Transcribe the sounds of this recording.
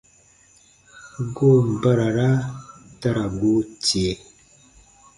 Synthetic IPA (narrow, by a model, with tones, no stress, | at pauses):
ɡo˦˨m̩˨bə˦ɾa˨ɾa˦ta˦ɾa˨ɡo˦t͡se˨˦